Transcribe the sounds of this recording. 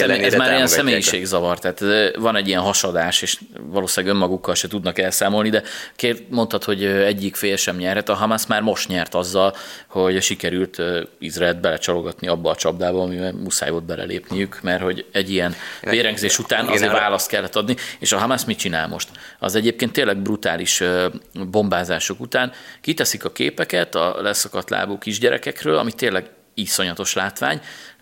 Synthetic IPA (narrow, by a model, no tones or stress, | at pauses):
sɛɛzmaːɾijɛnssɛmeːjiʃeːɡzɒvɒrt̪ɛɦaːt̪ːvɒnɛɟːijɛnɦɒʃɒd̪aːʃeːʃ | vɒloːslaɡømːɒɡukːɒlʃɛt̪ud̪nɒkɛlsaːmo̞lnid̪ɛkemo̞nt̪ɒt̪ho̞ɟøɛɟːikfeːjɛʃɛmɲɛrɦɛt̪ɒɦɒmasmaːrmo̞ʃt̪ɲɛrt̪ɒzːɒlho̞ɟʃikɛɾylt̪ːizraɛld̪̚bɛlɛt͡ʃɒlo̞ɡɒt̪niɒbːɒːt͡ʃɒbd̪aːbɒɒmiɛmusa̰ːjoːd̪̚bɛlʔɛ̰lḛːpnijykmɛrho̞ɟɛɟːijɛnveːɾɛŋɡzeːʃut̪aːnɒzeːvaːlɒst̪kɛlːɛt̪ːɒd̪nieːʃɒɦɒmasmitt͡ʃina̰ːlmo̞̰ʃt̪ɒ̰zɛɟeːp̚keːnt̪ːeːnlɛɡ̚brut̪aːliʃ | bo̞mbaːzaːʃokut̪aːnkit̪ɛsikɒkḛːpɛkɛt̪ɒ̰lɛsɒkɒt̪la̰ːboːkiʒɟɛɾɛ̰kɛkrøːlɒ̰mit̪eːlːɛɡ | iso̞ɲɒt̪o̞ʃlaːt̪ʋa̰ːɲ